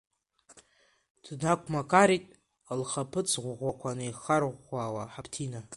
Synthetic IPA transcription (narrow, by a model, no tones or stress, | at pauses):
d̥nakʷʰmakʰaɾitʼ | alχapʰɨt͡sʰʁʷʁʷakʷʰanɨiχarʁʷaːwaħapʰtʰina